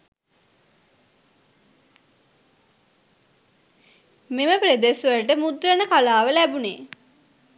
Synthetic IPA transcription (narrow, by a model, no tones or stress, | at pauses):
meməpɾed̪esʋəlʈəmud̪rənəkalaːʋəlæbuneː